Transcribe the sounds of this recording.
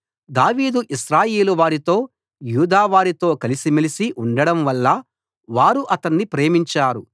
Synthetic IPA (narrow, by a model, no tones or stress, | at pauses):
d̪aːʋiːd̪uʔiʃɾaːjeːluʋaːɾit̪o̞ː | juːd̪aːʋaːɾit̪o̞ːkɐlisimilisiʔuɳɖɐɽɐmʋɐlːɐ | ʋaːɾuʔɐt̪ɐnːipɾe̞ːmiɲt͡ʃaːɾu